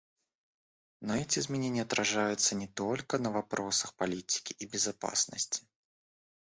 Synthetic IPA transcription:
nɐɛt͡sʲɛzmʲɛnʲenʲːɛɐt̪ɾaʐajut̪sːɐnʲɛt̪ɔlʲkɐnɐvapɾʔɔsɐxpalʲit̪ʲi̥kʲiʔibʲɛzapa̰snɐsʲt͡sʲi̥

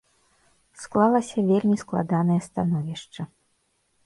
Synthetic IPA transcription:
sklˠalˠɐsʲɐvʲelʲmʲisklˠa̰d̪anɐjɛst̪anɔvʲiʂt͡ʂɐ

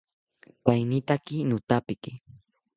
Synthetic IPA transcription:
pajnɪt̪akɪnʊt̪apɪkɪ

